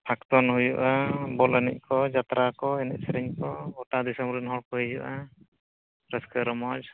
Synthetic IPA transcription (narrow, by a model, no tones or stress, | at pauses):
pʰakt̪ɔnhujuʔabɔlanḭc̚ˀkʰɔd͡ʒat̪ɾakɔɛnɛt̚sɾɛɲkɔɔʈad̪isɔmbɾinɦɔɾkɔɦid͡ʒuʔa | ɾɛskəɾɔmɔd͡ʒ